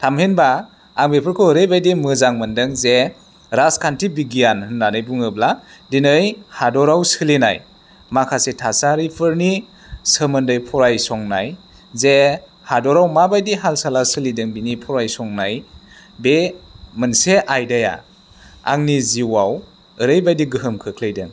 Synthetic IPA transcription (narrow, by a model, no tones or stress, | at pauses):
tʰamhenbaː | ŋbepʰɯɾkʰɯɾɯjbajdimɯzaŋmɯndɯŋze | ɾaskʰantʰibiɡijanhɯnːanɯjbuŋɯbladinɯjhadɔɾawsɯlina̰j | makʰasetʰasaɾipʰɯɾni | səmɯndɯjpʰɔɾajsɔŋna̰j | ze | hadɔɾawmabajdiɦalsalasɯlidɯŋbinipʰɔɾajsɔŋnaj | bemɯnseʔajdaja̰ | a̰ŋniziwaw | ɯɾɯjbajdiɡɯɦɯmkʰɯkʰlɯjdɯŋ